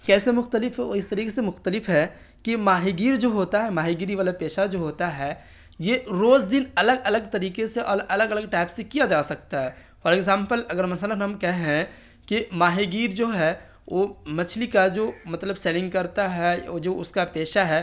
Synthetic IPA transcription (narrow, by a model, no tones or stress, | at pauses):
kɛːsemʊxt̪əlɪfɦɛɔ̰ɪst̪ɐɾiːkesemʊxt̪əlɪfɦɛ | kimaːɦeɡiːɾd͡ʒoːɦoːt̪aɦɛmaːɦeɡiːɾiʋaːlapeːʃad͡ʒoːɦoːt̪aɦɛː | jeɾoːzd̪ɪnɐləɡɐləɡt̪ɐɾiːkeseʔɔʔɐləɡɐləɡ̚ʈɛːpsekijad͡ʒaːsɐk̚t̪aɦɛː | fɔːɾeːɡzãːmpəlɐɡəɾmɐsələnɦɐmkɛɦeɦɛ̃ | kimaːɦeɡiːɾd͡ʒoːɦɛ | ʋoːmɐt͡ʃʰlikad͡ʒoːmɐt̪ləbseːlɪ̃ŋɡ̚kɐɾt̪aɦɛɔːd͡ʒoːʊskapeːʃaɦɛː